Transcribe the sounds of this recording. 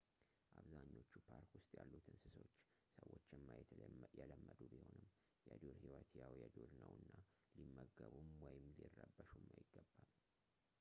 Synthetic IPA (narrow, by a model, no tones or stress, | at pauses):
ʔaβzaɲːo̞t͡ʃːupʰaɾkwʊst̪ʼjalːut̪ʰɨnsɨsot͡ʃː | səwːot͡ʃːɨmːajɛjɛləmːəd̪ubiho̞nɨm | jɛd̪oɾhiwət̪ʰjawjɛd̪oɾnəwɨnːa | limːəɡəβumwɔjɪmlirːəbːəʃumːajɪɡːəbːal